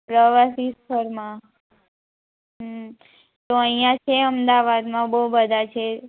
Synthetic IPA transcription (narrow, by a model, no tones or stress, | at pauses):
pɾəʋasispʰəɾmã | ɦ | t̪oəijãt͡ʃʰeəmd̪aʋad̪mãbəubəd̪ʱat͡ʃʰe